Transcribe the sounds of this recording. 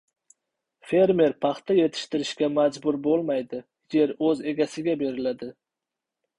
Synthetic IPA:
fe̞ɾme̞ɾpʰɑχt̪aje̞t̪ʰɪ̥ʃt̪ɪɾɪʃkʲamad͡ʒbʊɾbolˠmajd̪ɪ | je̞ɾɵze̞ɡʲasɪɡʲabe̞ɾɪlad̪ɪ

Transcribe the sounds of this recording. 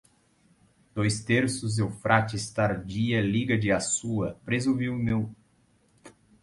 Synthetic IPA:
d̪̥ojst̪eɾsʊzewfɾʔat͡ʃɪst̪aɾd͡ʒiɐliɡɐd͡ʒɪasuɐpɾezoviwmew

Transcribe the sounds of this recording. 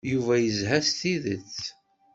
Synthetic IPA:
juvæjəzɦæsθiðət͡sː

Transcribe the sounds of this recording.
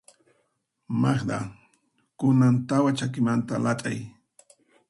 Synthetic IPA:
mɑχd̪a̰ | kʊnant̪awat͡ʃakɪmant̪alat̪ʼaj

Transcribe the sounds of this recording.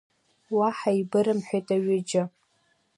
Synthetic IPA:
waħaibɨɾɨmħʷᶣejtʼaɥɪd͡ʒɪ

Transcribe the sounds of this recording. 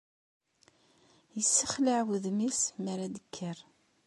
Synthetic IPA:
jəsːəχləʕwəðmisməɾad̪əkʰːəɾ

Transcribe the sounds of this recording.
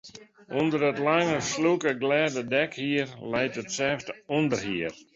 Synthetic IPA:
undəɾətlaŋəslukəɡlɛdədɛkhiərlɛjtətsɛːfdəundərhiər

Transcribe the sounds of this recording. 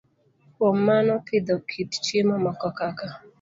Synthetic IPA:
ɔmanɔpʰɪd̪ɔkʰitt͡ʃemɔmakɔkaka

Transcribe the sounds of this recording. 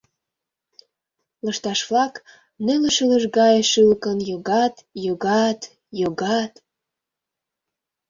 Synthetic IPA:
ləʃt̪ɑʃvlɑk | neləʃələʒɡɑjʃɯlkənjoɣɑt̪joɣɑt̪ | joɣɑt̪

